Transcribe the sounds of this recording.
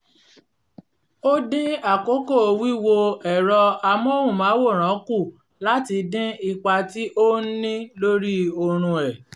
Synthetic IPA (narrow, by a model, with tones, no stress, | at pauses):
o˦dĩ˦a˦˨ko˦ko˦˨o˧wi˦wo˧ɛ˨ɾɔ˧a˧mɔ̃˦hũ˦˨mã˨˦wo˦˨ɾ̃ã˨˦ku˦˨ | la˦ti˧dĩ˦i˧k͡pa˧ti˦ʔo˦n̩˦nĩ˦lo˦ɾi˦o˧ɾ̃ũ˧ɛ˨